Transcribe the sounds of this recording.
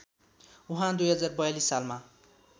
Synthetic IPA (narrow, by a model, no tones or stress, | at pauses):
uɦãd̪ujɦʌd͡zarbʌjalisːalma